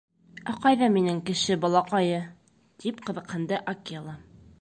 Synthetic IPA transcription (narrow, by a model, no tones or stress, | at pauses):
æqɑjðɑminɘŋkɘ̆ʃɘbɒlˠɑqɑjɤ | t̪ipqɤ̆ðɤ̆qhɤ̆nd̪ɤʔakiɑlˠɑ